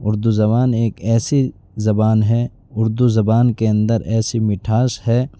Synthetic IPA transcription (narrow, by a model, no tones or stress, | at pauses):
ʊɾd̪uzɐβaːneːkɛːsi | zɐbaːnɦɛː | ʊɾd̪uzɐbaːnkeɐ̃nd̪əɾɛːsimɪʈʰaːʃhɛː